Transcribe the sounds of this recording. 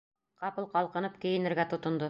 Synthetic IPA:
qɑpɤlˠqɑlˠqɤ̆nɤp̚kɘ̆jɘ̆nɘ̆ɾɡæt̪ŏt̪ŏnd̪o

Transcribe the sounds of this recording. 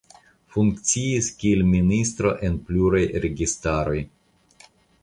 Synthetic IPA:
fuŋkt͡siiskʲielministɾo̞ʔe̞npluɾajɾe̞ɡistaɾo̞j

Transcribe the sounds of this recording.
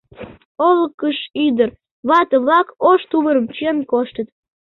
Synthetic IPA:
oləkːəʃyd̪ər | βɑt̪əβlɑkoʃt̪uβəɾəmt͡ɕenkoʃt̪ət̪

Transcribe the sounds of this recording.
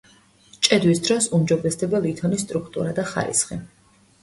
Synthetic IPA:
t͡ʃʼɛd̪wisd̪ɾɔsumd͡ʒɔbɾɛsd̪ɛbalit̪ʰɔnist̪ʼɾukʰt̪ʼṵɾad̪aχa̰ɾḭsχi

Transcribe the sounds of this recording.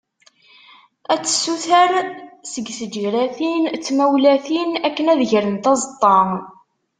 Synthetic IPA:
æt͡sːə̥sːuθəɾsəɡsəd͡ʒɾæθint͡sːmæwlæθinækːənæðəʝɾənt̪ɑzˤət̪ˤːɑŋ

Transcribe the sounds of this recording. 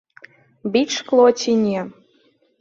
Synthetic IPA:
bit͡ʃklˠot͡ɕʲinʲe

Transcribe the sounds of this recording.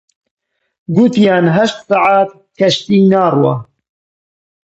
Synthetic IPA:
ɡut̪jɑːnɦɐʃt̪sɑʕaːt̪̚ | kʰɐʃt̪iːnaːrwɑ̰

